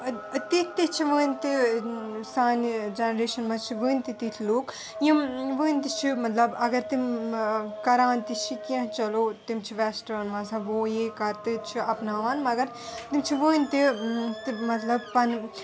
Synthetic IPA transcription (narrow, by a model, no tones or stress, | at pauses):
t̪itʰt̪it͡ʃʰiʋəːnʲt̪i | saːnd͡ʒenɐɾeːʃɐnmãt͡ʃʰiʋɨːnʲt̪it̪it̪ʲʰloːk | jĩʋɨːnʲt̪it͡ʃʰimɐt̪lɐbɐɡɐɾt̪im | kɐɾaːnt̪it͡ʃʰikʲɐ̃ɦt͡ʃɐloːt̪imt͡ʃʰiʋɛːsʈɐɐnmãsaʋoːjeːkɐɾt̪ɨt͡ʃʰiɐpnaːʋanmɐɡɐɾ | t̪imt͡ʃʰiʋɨːnʲt̪it̪imɐt̪lɐbpɐn